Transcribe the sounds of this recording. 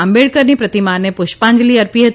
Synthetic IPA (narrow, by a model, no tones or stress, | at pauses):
ãmbeɭkəɾnipɾət̪imanepʊʃpãɲd͡ʒliɐɾpiɦət̪